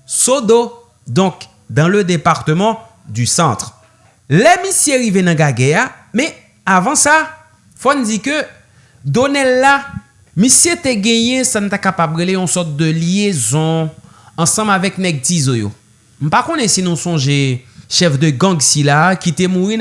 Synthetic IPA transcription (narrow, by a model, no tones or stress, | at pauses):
sod̪o | d̪ɔ̃k | d̪ɑ̃lød̪epaʁt̪əmɑ̃ | d̪ysɑ̃t̪ʁ | lɛmisjeʁivenãɡaɡɛamɛ | avɑ̃sa | fond͡zikø | d̪onɛlːa | mĩsjet̪eɡɛ̃jɛ̃sanũt̪akapabʁeleɔ̃sɔt̪̚d̪ølijezɔ̃ː | sɑ̃mavɛkmɛɡ̚t̪izojo̰ | m̩pakõnɛsinũsɔ̃ʒeʃɛfd̪øɡãɡsilakit̪emuʁi